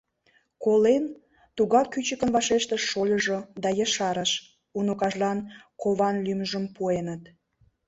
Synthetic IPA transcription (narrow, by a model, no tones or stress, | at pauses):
kolen | t̪uɣɑkːyt͡ɕəkənβɑʃeʃt̪əʃːolʲəʒod̪ɑjəʃɑɾəʃ | unukɑʒlɑnkoβɑnlyməʒəmpuenət̪